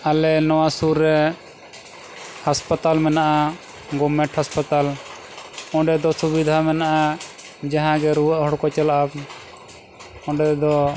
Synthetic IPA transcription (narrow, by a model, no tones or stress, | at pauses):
alɛnɔwasuɾːɛ | haspat̪almɛnaʔa | ɡɔmɛʈhaspat̪al | ɔ̃ɖɛd̪ɔsubid̪ʱamɛnaʔa | d͡ʒaɦãɡɛɾuwaʔhɔɽkɔt͡ʃɛlaʔab | ɔ̃ɖɛd̪ɔ